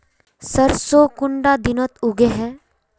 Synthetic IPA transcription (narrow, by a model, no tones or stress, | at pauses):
səɾsoːkʊɳɖad̪ɪnət̪ʊɡeɦɛː